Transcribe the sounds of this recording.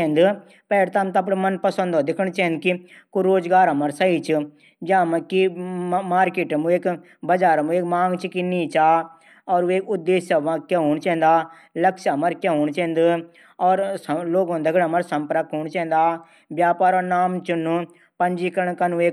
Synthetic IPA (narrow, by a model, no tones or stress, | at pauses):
ɛ̃ːnd̪ | pɛːɾt̪amt̪ap̬ɽemɐnpəsə̃nd̪ɔːd̪ɪkʰəɳ̃t͡ʃɛ̃ːnd̪̚kikoɾoːd͡ʒɡaːɾɐməɾsəit͡ʃ | d͡ʒãːməkimaːɾkeːʈmũeːk | bəd͡ʒaːɾmũeːkmãːŋɡt͡ʃkiniːt͡ʃaː | ɔːɾeːkʊd̪ːeːsɐʋãːkeɦoːɳt͡ʃɛ̃ːnd̪aː | ləkʃɦɐməɾkjaɦoːɳt͡ʃɛ̃ːnd̪ | ɔːɾloːɡõːd̪ɐɡəɽəməɾsəmpɾəkɦoːɳt͡ʃɛ̃ːnd̪aː | bjaːpaːɾɔːnaːmt͡ʃʊnu | pəɲd͡ʒikəɳkɐnueː